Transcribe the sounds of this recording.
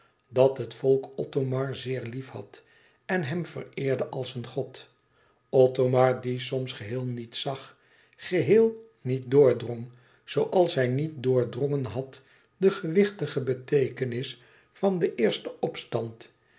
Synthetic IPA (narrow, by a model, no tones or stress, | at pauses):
dɑtɦətfɔlˠkɔtomɑɹzɪːɹlifhɑ̰t | ɛnɦɛmvə̰rɪːɹdəʔɑlˠsənχɔt | ɔtomɑɹdisɔmsχəɦɪːlˠnitsɑχ | χəɦɪːlˠ | nit̚dʊːɹdrɔŋ | z̥owʔɑlˠsɦɛjnit̚dʊːɹdrɔŋənɦɑt | dəχəʋɪχtəχəbətejkənɪs | fɑndəʔɪːɹstəʔɔpstɑnt